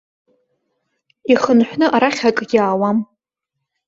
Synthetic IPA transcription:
iχənħʷnɨʔaɾaχʲakʼj̥ʲaːwam

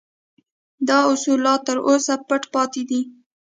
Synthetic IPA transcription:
d̪ɑʊsulɑt̪ːəɾʔosapəʈpɑt̪ed̪i

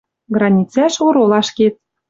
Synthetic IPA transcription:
ɡrɑnʲit͡sæʃoɾolɑʃket̪̚

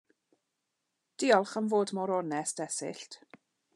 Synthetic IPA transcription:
d̥iːɔlˠχanvoːdmɔɾɔnɛsd̥ɛsɪ̰ɬtʰ

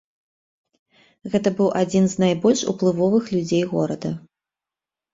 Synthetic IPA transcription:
ɣɛt̪ɐbɨwʔad͡zʲinznajbɔlʲʂṵplˠɨvɔvɨxlʲud͡zʲejɣɔɾɐd̪ɐ

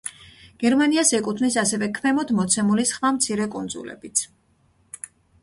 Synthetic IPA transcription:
ɡ̥ɛɾmaniasɛkʼut̪ʰvnisasɛvɛkʰmɛmɔd̪mɔt̪sʰɛmulisχvamt̪sʰiɾɛkʼund̪zṵlɛ̰bit̪sʰ

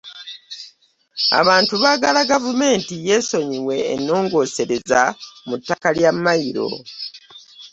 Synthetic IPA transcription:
a̰βaːntuβaːɡalaɡavume̞ːntije̞ːso̞ɲiwe̞̰ːnːo̞ːŋɡo̞ːse̞ɾe̞zamutːakaljamːajiɾo̞̰

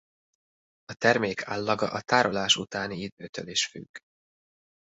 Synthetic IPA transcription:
ɒt̪ɛrmeːkʰaːlːɒɡɒʔɒt̪aːɾolaːʃṵt̪aːniid̪̚øːt̪ʰø̰liʃfy̰ɡ̥

